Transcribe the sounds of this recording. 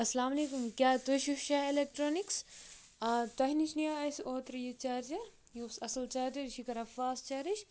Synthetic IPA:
ɐsɐlaːmɐleːkumkʲaːt̪oʃuʃaelek̚ʈɾoːniks | ɐt̪ɐɦnit͡ʃʰnijaːɐsoːt̪ɾjit͡ʃaːɾd͡ʒɐɾ | josɐsɐlt͡ʃaːɾd͡ʒɐɾʃʰikɐɾɐfaːst͡ʃɐɾiʃ

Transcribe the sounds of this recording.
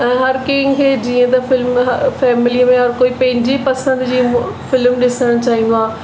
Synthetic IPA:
ɛ̃ːɦɐɾkeːŋkʰeːd͡ʑiːə̃t̪ɐfɪlmɦfɛːmɪliəmẽɔɾkoːipɐ̃ɦɪ̃ɲd͡ʑepɐsə̃nd̪d͡ʑiːfɪlmɗɪsəɽəɽ̃t͡ɕaːɦĩːn̆d̪oaː

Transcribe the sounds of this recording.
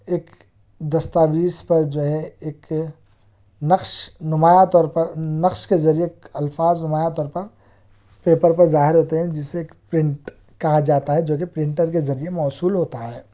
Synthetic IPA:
eːk | d̪ɐst̪aːbiːspɐɾd͡ʒoːɦɛ̃eːk | nɐqʃnʊmaːjat̪ɔːɾpɐɾnɐqʃkezɐɾiekɐlfaːznʊmaːjat̪ɔːɾpɐɾ | peːpəɾpɐɾzaːɦɪɾɦoːt̪eɦɛ̃d͡ʒɪseːkpɾɪ̃ɳʈ | kɐɦad͡ʒaːt̪aɦɛd͡ʒoːk̬epɾɪ̃ɳʈəɾk̬ezɐɾiemɔːsuːlɦoːt̪aɦɛː

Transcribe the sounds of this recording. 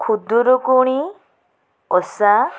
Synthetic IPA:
kʰud̪uɾokuɽ̃i | ɔsa

